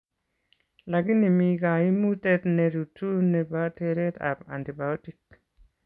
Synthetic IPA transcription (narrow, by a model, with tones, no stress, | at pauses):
la˨ɡi˦ni˨mi˨ɡa˨i˦mu˦tɛ˦t̪ne˨ɾu˨tu˦ne˨ba˦te˨ɾɛ˦t̪a̰˨ba̰˨nti˨ba˨o˦ti˨k̚